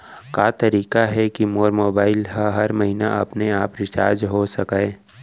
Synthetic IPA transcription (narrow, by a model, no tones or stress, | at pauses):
kaːt̪ɐɾiːkaɦɛkimoːɾmoːbaːɪlɦaɦɐɾmɐɦinaɐpneaːpɾɪt͡ʃa̰ːɾd͡ʒɦosɐkaː